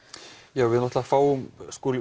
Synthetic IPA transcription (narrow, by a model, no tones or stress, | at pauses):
jaːwvɪðnɔht̪lafaːwʏmskʊːlɪ